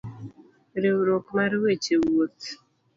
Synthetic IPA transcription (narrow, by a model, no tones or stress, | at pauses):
ɾewɾokmaɾwet͡ʃewot̪